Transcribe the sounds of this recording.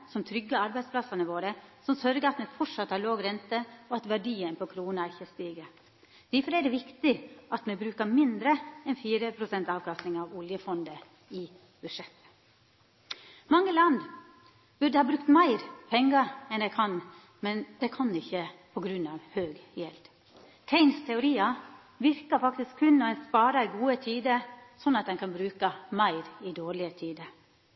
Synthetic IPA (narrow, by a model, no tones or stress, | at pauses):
sɔmt̪ʰɾʏɡːəɑɾbæɪd̪splɑsɑnəʋoːɾəsɔmsœɾɡəɾɑt̪mɛfɔʈʂɑt̪ːhɑːɾɭoːɡɾɛnt̪əɔɑt̪ʋæɖiːənpʰɔkʰɾuːnəæɾɪçːəst̪iːɡə | d̪̥æfɔɾæɖɛʋɪkt̪ɪʔɑt̪mɛbɾʉːkəmɪnd̪ɾəɛnfiːɾəpʰɾʊsɛnt̪ɑːʋkʰɑst̪ɪŋɑʋʊljəfɔnd̪ə | ɪ | b̥ʉʂɛt̪ːə̥ | mɑŋːəlɑnd̪ | bʉɖ̪əhɑːbɾʉk̚t̪mæɪɾpʰɛŋːəɾɛnæɪkʰɑn | mɛnd̪ɛkʰɑnɪçəpʰɔɡɾʉnɑːʋhøːɡjɛld̪̥ | t̪ʰɛɪnst̪ʰɛʊɾiːɑ | ʋɪɾkəfɑkt̪ɪskʰːʉnːɔænspɑːɾɑɪɡuːət̪ʰiːd̪əsɔnːɑt̪̚d̪ɛnkɑnbɾʉːkəmæɪɾɪd̪oːɾɭɪət̪ʰiːd̪əɾ